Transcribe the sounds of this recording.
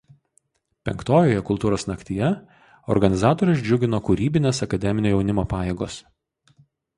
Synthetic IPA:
pʲɛ̰ŋkt̪oːjoːjɛkʊlˠt̪uːɾoːsnɐkt̪ʲiːjɛ | ɔ̰ɾɡɐnʲɪzɑːt̪oːɾʲʊsd͡ʒʲʊɡʲɪnoːkʊɾʲiːbʲɪnʲeːsɐkɐd̪ʲɛmʲɪnʲoːjɛʊnʲɪmoːpɑːjeːɡo̰ːs

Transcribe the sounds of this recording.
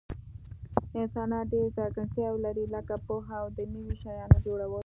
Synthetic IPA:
ɪnsɑnɑt̪̚ɖeɾzɑɾɡəɳt̪jɑwlaɾilakapoɦawd̪ənəwiʃajɑnod͡ʒoɽawəl

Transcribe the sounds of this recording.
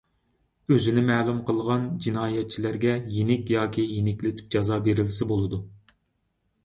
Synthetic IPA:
øzɪnɪmɛːlˠumqʰəlˠʁɑnd͡ʒinɑːjɛt̪̚t͡ʃʰilæɾɡʲɛjenɪkʲjɑːkʲʰijenɪkʲlɪt̪ʰɪ̥p̚d͡ʒɑzɑːbeɾɪlsɪbolˠɨd̪u

